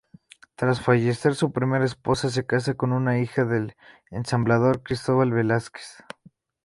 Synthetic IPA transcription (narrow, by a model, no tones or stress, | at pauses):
t̪ɾasfaʝe̞se̞ɾsupɾime̞ɾaespo̞sas̬e̞kas̬ako̞nunaixaðel | ensamblaðo̞ɾkɾist̪oβalβe̞laske̥s